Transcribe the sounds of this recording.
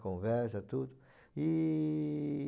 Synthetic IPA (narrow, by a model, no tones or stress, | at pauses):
kõvɛɾsɐt̪ud̪ʊ | i